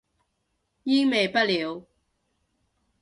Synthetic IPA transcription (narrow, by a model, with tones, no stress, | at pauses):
jiː˥ŋme˨jpɐ˥t̚liː˨˧w